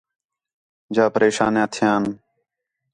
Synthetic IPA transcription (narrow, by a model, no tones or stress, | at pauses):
d͡ʒaːpəɾeːʃaːnãːt̪ʰɪjaːn